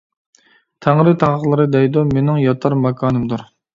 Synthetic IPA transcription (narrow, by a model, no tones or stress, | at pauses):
t̪ʰæŋɾɨt̪ʰɑŋəqlˠɨɾɨd̪ɛjd̪omenɪŋjɑt̪ʰɑɾmɑkʰɑːnɨmd̪uɾ